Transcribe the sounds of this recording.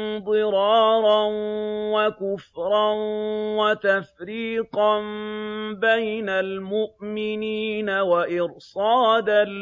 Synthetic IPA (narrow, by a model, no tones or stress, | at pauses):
d̪ˤɨɾɑːɾˤɑnwakʊfɾˤɑnwat̪afɾiːqɑnbajnalmʊʔmɪniːnawaʔɪɾsˤɑːd̪a